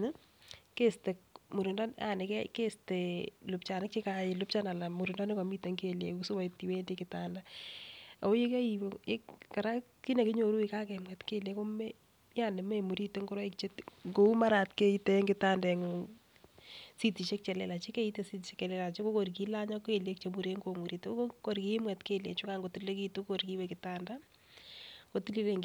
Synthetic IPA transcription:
ke˦ste˨k̚mu˨ɾunda˦na̰nɪkɛke˦stelʊp̚t͡ʃa˨nɪ˦k̚t͡ʃe˦kaɪlʊp̚t͡ʃana˨lamu˨ɾu˨nda˦nɪ˦kɔmi˦teŋkelekusu˦wa˨iti˨we˦ndikɪtaːnda | a˨o˦je˦kɛ˦iwe˦kkaɾa˦ | ki˦ne˨kɪ˦ɲo˨ɾu˦ika˦kɛmɡɛtkeljeko˦me | ja˦ne˨me˦mu˨ɾi˦te˦ŋɡo˦ɾa˦ikt͡ʃe˦tŋɡo˦u˦ma˦ɾatke˦ite˦ŋɡɪ˦ta˦ndaŋo | si˦ti˨ʃe˦k̚t͡ʃɛ˨lḛ˦la˨t͡ʃe˦ke˦i˦te˨si˦ti˨ʃe˦kɛ˨lɛ˦la˨t͡ʃe˦ko˦ko˨rk̬i˦la˦ɲɔ˦keljek̚t͡ʃe˨mu˨ɾe˦ŋɡo˨mu˨ɾi˨to˦oko˨ɾki˦mwɛ˨tke˦ljḛ˨t͡ʃʊ˦ka˦ŋɡo˨ti˦lle˦ki˦tu˦koɾki˦wɛkɪtanda˦ | ɡ̥o˨tili˦leŋ

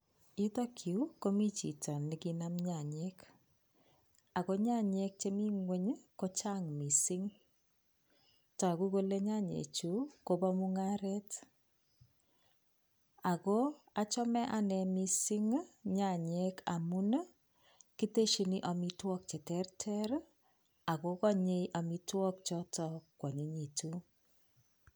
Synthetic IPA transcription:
i˦tɔ˦kʰi˨u˦ko˦mi˦t͡ʃḭ˨tʰɔ˨ni˨ki˦na˦mɲa˨ɲek | a˨ko˦ɲa˦ɲe˦k̚t͡ʃe˦mi˦ŋwe˦ɲko˦t͡ʃa˦ŋmi˨si˦ŋ | tɔ˨a˨ku˦ko˦le˦ɲa˦ɲḛ˨t͡ʃu˦ko˦bɔ˦mu˦ŋa˦ɾɛt | a˨ko˦ | a˨t͡ʃɔ˦mɛ˦ʔa˨nɛ˨mi˨si˦ŋɲa˨ɲɛ˦ka˨mu˦n | ki˦te˦ʃi˨ni˦ʔa˨mi˦twɔ˦k̚t͡ʃe˨tɛ˦rtʰɛ˦ɾ | a˨ko˨kɔ˦ɲe˦jʔa˨mi˦twɔ˦k̚t͡ʃɔ˦tɔ˦kwɔ˨ɲe˦ɲi˨tu˦

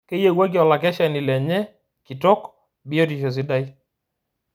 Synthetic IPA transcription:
ke˦je˦˨ɡwa˦k̬jɔ˨la˨kɛ˦ʃa˨ni˨lɛ˨ɲɛ˦ | ki˨tɔ˦k | bi˦ɔ˦t̬i˨ʃɔ˨s̬i˦da˦i˦

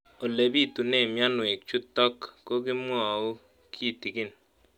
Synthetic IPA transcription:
o˨le˨bi˦tu˨ne˦˨mja˦nwe˨k̚t͡ʃu˦tːɔ˦kːo˦k̬i˦mwɔ˦˨u˦ | kʰi˦˨ti˨kɪ˦n

